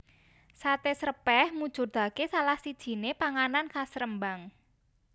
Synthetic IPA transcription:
sat̪esərəpɛhmud̥ʒ̥ʊ̤rd̪̥a̤kesalahsid̥ʒ̥i̤nepaŋanankasɾəmbaŋ

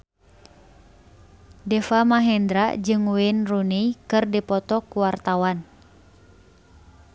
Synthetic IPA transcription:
dɛfamaɦɛnd̪ɾa̰d͡ʒɨŋwɛnrunijkɨrdipɔt̪ɔkuwart̪awan

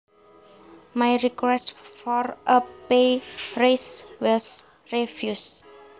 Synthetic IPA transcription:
majɹikwɛstfɔrʔəpereswɔs | ɹefjus

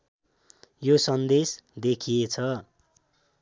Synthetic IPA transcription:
josʌnd̪esd̪ekʰijet͡sʰʌ

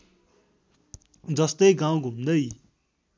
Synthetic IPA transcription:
d͡zʌst̪ʌjɡaw̃ɡʱumd̪ʌj

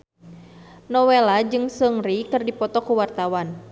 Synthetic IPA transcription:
nɔwɛlad͡ʒɨŋsəŋrikɨrdipɔt̪ɔkuwart̪awan

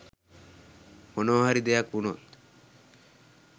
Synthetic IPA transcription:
onoɦaɾid̪ejakunot̪

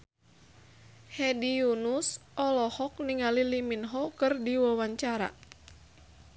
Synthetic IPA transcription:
hɛdijunusʔɔlɔhɔk̚niŋaliliminɦɔkɨrdiwawaɲt͡ʃaɾa̰

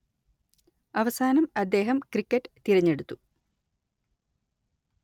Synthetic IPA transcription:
ɐʋɐsaːnɐmɐd̪ːe̞ːɦɐmkrikʲːɐʈːɨ̥t̪iɾɐɲːe̞ɽut̪ːu

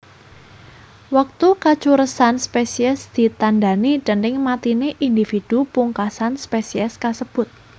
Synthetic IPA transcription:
wak̚t̪ukḁt͡ʃuɾəsanspesiɛsd̪̥i̤t̪anɖa̤niɖ̥ə̤nɪŋmat̪ineʔind̪ifid̪̥upuŋkasanspesiɛskasəb̥ʊt̪̚

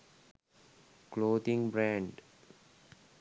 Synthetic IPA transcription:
kloːd̪ĩŋbɾæ̃ɳɖ

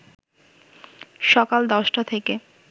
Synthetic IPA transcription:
ʃɔkald̪ɔʃʈat̪ʰeke

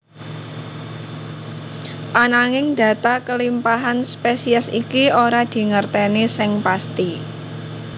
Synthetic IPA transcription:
ʔanaŋɪŋd̪̥ä̤t̪akəlimpaɦanspesiɛsikioɾad̪̥i̤ŋərt̪enisɪŋpast̪i

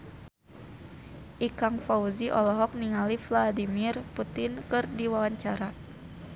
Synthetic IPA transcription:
ʔikaŋfauziʔɔlɔɦɔk̚niŋalifladimirput̪ɪnkɨrdiwawaɲt͡ʃaɾa

